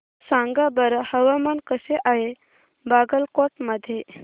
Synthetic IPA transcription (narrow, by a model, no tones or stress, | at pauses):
sãŋɡabəɾəhəʋamankəseʔaɦe | baɡəlkoʈməd̪ʱːje